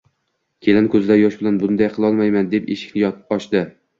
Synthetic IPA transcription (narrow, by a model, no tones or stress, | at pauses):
kʲʰe̞lɪnkʰɵzɪd̪ajɒʃbɪlanbʊnd̪ajqʰɨlˠɒlˠmajmand̪epḛʃɪ̥kʲnɪjɒt̪pɒʃd̪ɪ